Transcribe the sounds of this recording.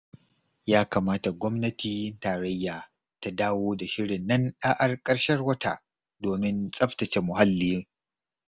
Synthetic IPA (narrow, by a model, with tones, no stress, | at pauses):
jaː˦kaː˨maː˦ta˨ɡʷɔ˦mnɐ˦tʰiː˦˨˦ntaː˨ɾɐ˦jːaː˨ | ta˨daː˦woː˦da˨ʃɪ˦ɾɪ˨nːɐ˦nɗaː˦ʔa˦rkʼɐ˦rʃɐ˦rwɐ˦ta̰˨ʔ | doː˨mɪ˦nsʼɐ˦ɸtɐ˨t͡ʃe˨mʊ˨ɦa˦lːiː˦